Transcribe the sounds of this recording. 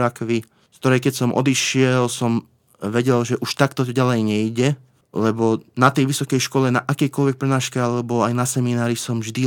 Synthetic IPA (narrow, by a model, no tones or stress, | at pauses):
akʋi | kt̪ɔɾɛjkɛcsɔmʔɔ̰d̪iʃɪɛlsɔm | ʋɛɟɛlʒɛʔuʃt̪akt̪ɔɟalɛjɲɛiɟɛ | lɛbɔnat̪ɛjʋisɔkɛjʃkɔlɛnaʔakɛjkɔlʋɛk̚pɾɛnaːʃkɛalɛbɔajnasɛminaːɾisɔmʒd̪i